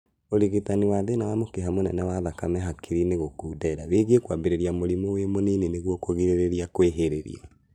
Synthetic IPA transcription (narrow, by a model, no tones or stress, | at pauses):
oɾiɣitaniwaðenawamokeɦamonɛnɛwaðakamɛɦakʰiɾineɣokuːdɛːɾaweɣekwabeɾeɾiamoɾimowemonineneɣwɔkoɣiɾeɾeɾiakweɦeɾeɾḭa̰